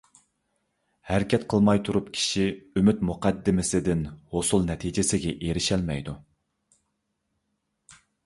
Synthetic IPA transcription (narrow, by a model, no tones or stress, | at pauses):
hæɾɪkʲɛt̪qʰəlˠmɑjt̪ʰuɾupkʲʰi̥ʃiymyt̪muqʰɑd̪ːɪmɪsɪd̪ɪnhosulˠnɛt̪ʰid͡ʒɪsɪɡʲɛʔeɾɪʃɛlmɛjd̪u